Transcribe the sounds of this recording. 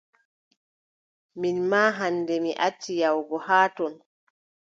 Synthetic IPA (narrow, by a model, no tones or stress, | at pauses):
minmaːɦanːdɛmiʔat͡ʃːijawɡɔhaːtɔn